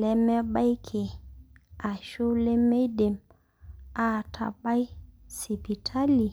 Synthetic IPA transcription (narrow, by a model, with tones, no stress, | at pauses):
lɛ˦mɛ˦ɓa˦jkʰe˨ | a˨ʃo˦le˦me˦jdɛ˨m | a˨tʰa̰˨ɓa˦jsi˨pi˨tʰa˦li˨